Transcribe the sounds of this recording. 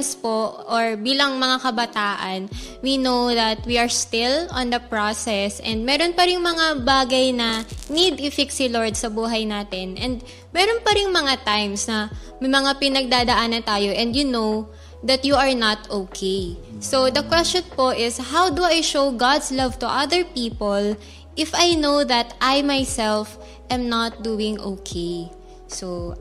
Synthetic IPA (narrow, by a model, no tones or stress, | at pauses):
spoʔoɹbiːlɐŋmɐŋakɐbɐt̪aːʔɐnwinowðɐt̪̚wiɐɹst̪ɪlɔ̃nd̪ɐpɹosɛsʔɛ̰nd̪̚mɛːɾonpɐɾɪŋmɐŋabaːɡɐjnɐnid̪ʔɪfɪksiloɹd̪̚sɐbuːɦɐjnaːt̪ɛnʔɛnd̪ | mɛːɾonpɐɾɪŋmɐŋat̪ajmsnɐ | mɐmɐŋapɪnɐɡ̚d̪aːd̪ɐʔaːnɐnt̪aːjoʔɛ̃nd̪jʊnow | ðɐt̪juɐɹnɐt̪okʰejsod̪ɐkwɛst͡ʃonpo̞ʔɪshawd̪uʔajʃowɡad̪slɐvt̪ʊʔɐðəɹpiːpol | ʔɪfajnowðɐt̪ʔajmajsɛlf | ʔɛ̃mnɐt̪̚d̪uːɪ̃ŋʔokʰej | so